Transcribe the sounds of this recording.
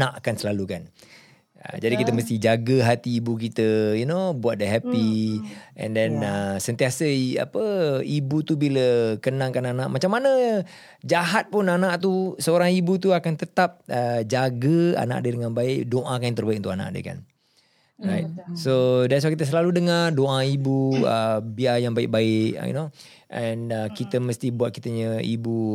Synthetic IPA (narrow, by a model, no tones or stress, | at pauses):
aʔkansəlalukan | ə̰d͡ʒadikit̪əməst̪ɪhd͡ʒaɡəɦat̪iːbuk̬it̪əjunobuat̪̚dəɦɛpi | ɛ̰̃ndɛnəsənt̪iasəia̰pəibut̪ubiləkənãŋkananaʔmat͡ʃamːanə | d͡ʒaɦat̪̚pʊnanaʔt̪usəoɾaŋibut̪uakant̪ət̪ap̚əd͡ʒaɡəa̰na̰ʔdədəŋanbaɪʔdoʔakanãnt̪ərbaikunt̪ʊkana̰ʔdə̰ka̰n | rajt̪̚sodɛs̬wakit̪əs̬əlaludəŋardoʔaibuə̰biajaŋbaɪk̚baɪʔjḭno | ʔɛnəkit̪əməst̪ibuat̪̚kit̪əɲəḭbu